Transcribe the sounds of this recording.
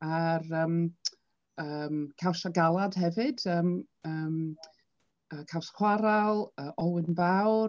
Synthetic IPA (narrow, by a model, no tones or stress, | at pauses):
arəːm | əmkʰawsaɡalˠad̥hɛvɨd̥əːm | əːm | əːkʰawskw̥aɾalˠəːʔɔlˠwɪnvaw